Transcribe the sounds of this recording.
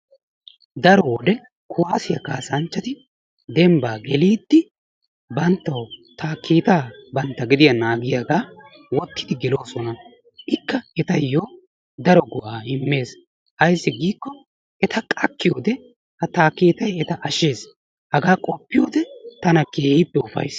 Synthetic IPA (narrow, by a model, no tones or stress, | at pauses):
d̪ɐɾɔwɔd̪ɛ | kʰʊwaːsɪjɐkaːsɐnt͡ʃːɐt̪ɪ | d̪ɛmbaːɡɛliːd̪ːɪ | bɐnt̪ːɐwt̪aːkʰːiːt̪aːbɐnt̪ːɐɡɪd̪ɪjɐnaːɡɪjaɡaː | wɔt̪ːɪ̥d̪ɪɡɪlo̞ːsɔnɐ | ʔɪkːɐɛt̪ɐjoː | d̪ɐɾɔɡʊʔaːɪmːe̞ːs | hɐjsːɪɡiːkːɔ | ɛt̪ɐkʼɐkːɪjo̞ːd̪ɛ | hɐt̪aːkːiːt̪ɐjɛt̪ɐʔɐʃːe̞ːs | hɐɡaːkʼɔpːɪjoːd̪ɛt̪ɐnɐkeːhipːɛʊfɐ̰js